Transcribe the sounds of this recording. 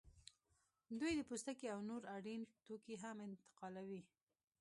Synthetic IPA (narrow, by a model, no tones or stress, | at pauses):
d̪ujd̪əpust̪akeawnoɾaɽint̪okeɦamɪnt̪ɪ̥qɑlawi